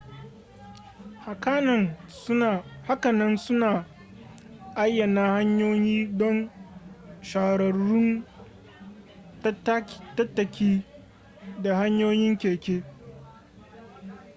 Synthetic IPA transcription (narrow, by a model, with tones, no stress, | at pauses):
ha˨kaː˦nɐ˨n˦˨ | ha˦kɐ˨nɐ˦nsʊ˦naː˨ | ʔa˦jːɐ˨naː˦ha˦ɲjoː˦jiː˦dɔ˦n | ʃaː˨ɽɐ˨ɾʊ˦n˦ | tɐ˦tːɐ˨kʲiː˦ | da˨ha˦ɲjoː˦jɪ˦ŋkʲeː˨kʲeː˦